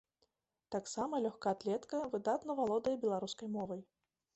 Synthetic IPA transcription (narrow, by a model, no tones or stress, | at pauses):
t̪aksamɐlʲɔxkaːt̪lʲɛt̪kɐvɨd̪at̪nɐvalˠɔd̪ɐjɐbʲɛlˠaɾuskɐjmɔvɐj